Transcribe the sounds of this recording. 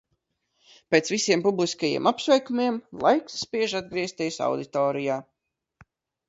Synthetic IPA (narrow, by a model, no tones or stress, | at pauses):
peːt̪svisiɛmpublˠiskajḭɛmapsvɛjkumiɛmlˠajksːpiɛʒad̪̚ɡɾiɛst̪ʲiːjsa̰wd̪it̪ɔːɾijaː